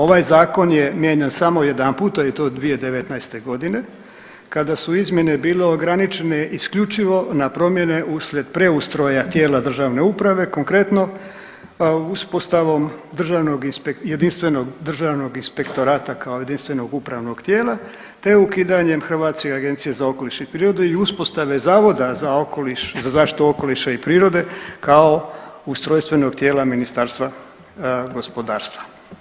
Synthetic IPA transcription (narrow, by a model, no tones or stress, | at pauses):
o̞ʋaːjzaːko̞nje̞mjeɲensamo̞je̞d̪ampuːt̪ait̪o̞d̪ʋije̞d̪eʋe̞t̪najst̪e̞ɡo̞d̪ine̞ | kad̪asuizmje̞nebiːle̞oɡɾanit͡ʃene̞ʔiskʎut͡ʃiʋo̞napɾo̞mje̞ne̞uslʲje̞d̪pɾe̞ust̪ɾojat̪je̞ːlad̪r̩ʒaʋne̞upɾaʋe̞ko̞ŋkɾe̞t̪no̞ | uspo̞st̪aʋo̞md̪r̩ʒaʋno̞ɡinpeje̞d̪inst̪ʋe̞no̞ɡd̪r̩ʒaːʋno̞ɡinspe̞kt̪o̞ɾaːt̪akaoje̞d̪inst̪ʋe̞no̞ɡupɾaʋno̞ɡ̥t̪jeːlˠa | t̪e̞ukiːd̪aɲe̞mxr̩ʋaːt̪skeaɡe̞nt̪sijezao̞ko̞liʃeipɾiːɾo̞d̪eiuspo̞st̪aʋe̞zaːʋo̞d̪azaokoliʃzazaːʃt̪i̥t̪uo̞ko̞liʃaipɾiːɾo̞d̪e̞kao̞ust̪ɾojst̪ʋe̞no̞ɡt̪je̞ːlaminist̪aːɾst̪ʋa | ɡo̞spo̞d̪aːɾst̪ʋḁ